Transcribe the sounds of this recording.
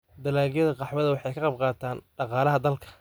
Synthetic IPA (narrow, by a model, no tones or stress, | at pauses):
d̪ɐlaːljɐðɐqɑħwɐðɐwɑħɑjkʰɐqɑb̚qɑːt̪ʰaːnɖɑqɑːlɐɦɐd̪ɐlkʰɐ̥